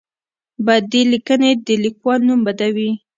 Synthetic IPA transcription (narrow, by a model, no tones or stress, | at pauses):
bad̪ːelikəned̪əlikwɑlnumbad̪awi